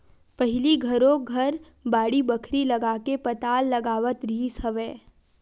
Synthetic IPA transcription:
pɐɦɪliɡʱɐɾõɡʱɐɾ | baːɽibəkʰɾilɐɡaːkepɐt̪aːlːɐɡaːʋət̪ɾiːshəʋeː

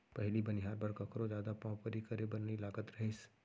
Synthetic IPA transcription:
pɛɦlibɐnɪɦaːɾbɐɾkɐkɾõd͡ʒjaːd̪apãːpəɾikɐɾebɐnniɪlaːɡət̪ɾɐɦes

